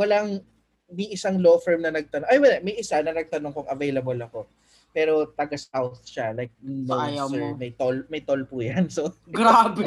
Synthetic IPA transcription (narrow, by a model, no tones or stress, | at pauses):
wɐlaŋ | mɐjʔɪsaŋlofɛɹmnɐnɐɡ̚t̪ɐnoŋʔajwɐd̪ɛmɐjʔɪsanɐnɐɡ̚t̪ɐnoŋkʊŋɐvejlɐbolɐko̞ | pɛːɾo̞t̪ɐɡɐsawθʃalajk̚nowjɐsɛɹmɐjt̪olmɐjt̪olpuːjɐnsoɡɾaːbɛ